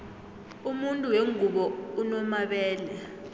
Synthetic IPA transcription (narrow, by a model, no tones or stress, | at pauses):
umuntʼuweŋʱuɓɔunɔmaɓɛːlɛ